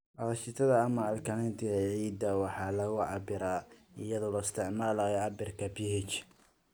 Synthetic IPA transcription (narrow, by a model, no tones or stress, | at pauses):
ʔɑlɐʃɪt̪ʰɐðɐːmɐːlkʰɐnɛnt̪ʰɪɣɐʕiːd̪ɐwɑħɑːlɐɣʊʕɑbɪɾaɪjɐðɔlɔɪst̪ʰɪʕmaːlajɔʕɑbɪrkʰɐbihɛt͡ʃ